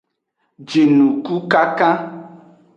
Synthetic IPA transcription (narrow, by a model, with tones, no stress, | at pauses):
d͡ʒe˨nũ˨ku˦ka˦kã˦